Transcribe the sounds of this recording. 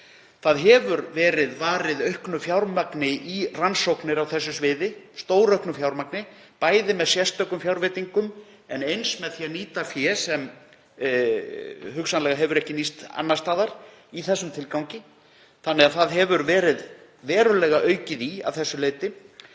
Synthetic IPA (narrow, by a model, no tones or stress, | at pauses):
θaðɦɛvʏɾvɛːɾɪðvaːɾɪðœɥhknʏfjawɾmaknɪʔiransowknɪɾawθɛsːʏsvɪːðɪst̪oːwɾœɥhknʏfjawɾmaknɪ | paːjðɪmɛðsjɛst̪œkʏmfjawɾvɛːt̪iŋkʏm | ɛnejnsmɛðθjianiːt̪afjɛːsɛm | ɦʏksanlɛɣaɦɛvʏɾɛhcɪnist̪a̰nːast̪aːðaɾ̥ | iθɛsːʏmt̪ʰɪlkawŋcɪ | θanːɛɣaðθaðɦɛvʏɾvɛːɾɪð | vɛːɾʏlɛːɣaʔœːɥcɪðia̰vθɛsːʏleːjt̪ɪ